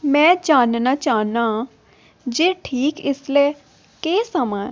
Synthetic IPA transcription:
mɛ̃ːd͡ʒaːnnaːt͡ʃaːnaː | d͡ʒeːʈʰiːkɪsleː | keːsəmaːn

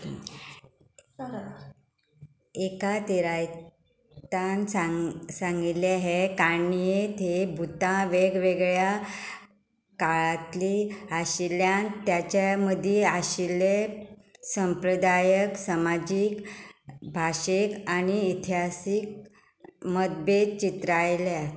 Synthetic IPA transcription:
ekat̪iɾaj | t̪ansasãŋɡileɦekaɳjet̪ʰebʱut̪ãʋeɡʋeɡɭja | kaɭat̪liaɕiljant̪jat͡ɕaməd̪ʱiaɕile | səmpɾəd̪ajəksamad͡ʑik | bʱaɕekaniit̪ʰiɦasik̚ | məd̪̚bet̪̚t͡ɕit̪ɾajlea

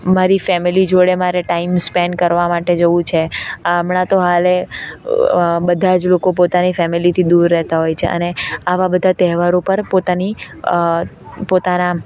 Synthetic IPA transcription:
maɾifɛmilid͡ʒoɽemaɾeʈaimspɛɳkəɾʋamaʈed͡ʒəʋũt͡ʃʰeamɳãt̪oɦale | bəd̪ʱad͡ʒlokop̬ot̪anifɛmilit̪ʰid̪uɾːɛɦt̪aɦojt͡ʃʰḛʔə̰neaʋabəd̪ʱat̪ɛɦʋaɾopəɾpot̪ani | pot̪ana

